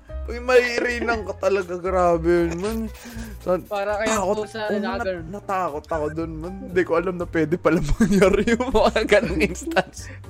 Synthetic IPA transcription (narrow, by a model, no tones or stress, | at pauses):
pɐɡmɐhiɾiːnɐŋkot̪ɐlɐɡaɡɾaːbɛjʊnmansɐt̪aːkot̪nnɐt̪aːko̞t̪ɐkod̪onmɐnɪnd̪ikoʔɐlamnɐpwɛːd̪ɛpɐlamɐɡjaɾjʊŋmɐŋaaɡɐnoŋʔɪnst̪ans